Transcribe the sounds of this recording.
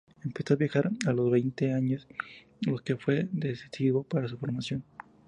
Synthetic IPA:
empjesoaβjaxaɾalo̞zβejnt̪eaɲos | lo̞ke̞fwe̞d̪esi̥siβo̞paɾasufo̞ɾmasjo̞n

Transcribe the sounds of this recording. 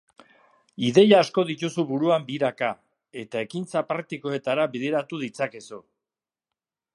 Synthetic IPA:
iðe̞jaːsko̞ðit̪usuβuɾuambiɾaka | e̞t̪ae̞kint͡sapɾaɾk̚t̪iko̞e̞t̪aɾaβiðe̞ɾat̪uðit͡sake̞su

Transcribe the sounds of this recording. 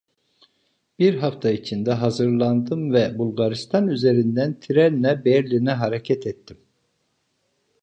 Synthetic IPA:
b̥iɾɦaft̪ʰait͡ʃʰind̪ɛɦazɯɾlˠand̪ɯmvɛbulˠɡaɾist̪ʰanyze̞ɾind̪ænt̪ʰiɾɛnːɛbɛɾlʲinɛɦaɾecʰɛt̪ʰɛt̪ʰːim

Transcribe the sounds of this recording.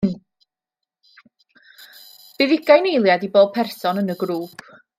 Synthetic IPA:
b̥ɪðɪɡajnejlˠjadiboːd̚pʰɛrsɔnənəɡɾuːpʰ

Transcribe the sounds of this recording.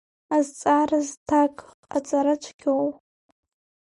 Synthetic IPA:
azt͡sʼaɾaztʰakʼqʼat͡sʼaɾat͡ʃʷʰɡʲʰow

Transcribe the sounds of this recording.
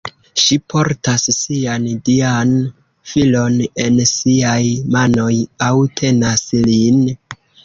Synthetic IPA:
ʃipʰo̞ɾtassiandian | filo̞ne̞nsiajmano̞jawtʰe̞naslin

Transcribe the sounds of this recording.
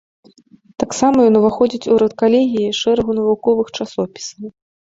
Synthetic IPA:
t̪aksamɐjɔnuvaxɔd͡zʲit͡sʲuɾɐt̪kalʲeɣʲijiʂɛɾɐɣunɐvukɔvɨxt͡ʂasɔpʲi̥sɐw

